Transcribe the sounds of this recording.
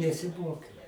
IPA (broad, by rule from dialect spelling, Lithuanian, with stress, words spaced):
nʲɛsʲɪˈmoːkʲɛʊ